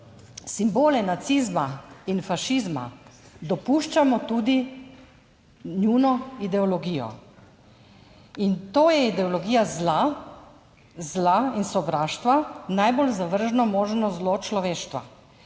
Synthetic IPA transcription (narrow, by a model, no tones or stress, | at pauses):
simboːlɛnat̪sizmainfaʃizma̰d̪ɔpuːʃt͡ʃamɔt̪uːd̪i | nunɔid̪ɛɔlɔɡiːjɔ̰ | int̪oːjɛid̪ɛɔlɔɡiːjazla | zlainsɔbɾaːʃt̪ʋanajbolzaʋəɾʒnɔmoːʒnɔzlot͡ʃlɔʋeːʃt̪ʋa̰